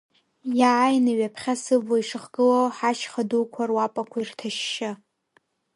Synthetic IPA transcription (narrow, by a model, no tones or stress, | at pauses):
jaʕajnɨɥapʰχʲasɨvlaiʂɨχɡɨlowħaʃχadukʷʰarwapʼakʷʰajrtʰaʃːɪ